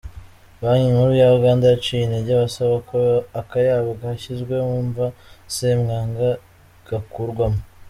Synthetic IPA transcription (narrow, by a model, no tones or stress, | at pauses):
βaɲimuɾujaβaɡaːndat͡ʃiineɟaβasaβakoakajaːβaɡahaçizɡwe̞uːɱvaseːmŋaːŋɡa | ɡ̥akuɾɡwamu